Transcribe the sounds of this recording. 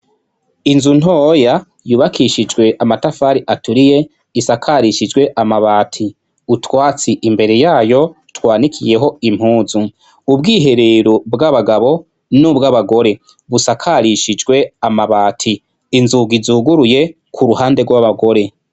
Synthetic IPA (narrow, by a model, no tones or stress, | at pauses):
inzun̥oːja | juːβakʰiʃid͡ʒɡwe̞ʔamatafaːɾiʔatuɾije̞ | isakʰaɾiʃid͡ʒɡwe̞ʔamaβaːtʰi | utwaːt͡siʔimbe̞ɾe̞jaːjo̞ | twaːnikʰije̞ɦo̞im̥huːzu | ubɡiːɦe̞ɾeɾobɡaβaɡaβo̞ | nubɡaβaɡo̞ɾe̞ | βusakʰaɾiʃid͡ʒɡwe̞amaβaːtʰiː | nzuɡizuːɡuɾuje̞ | kʰuɾuhaːnde̞ɡwaβaɡo̞ɾe̞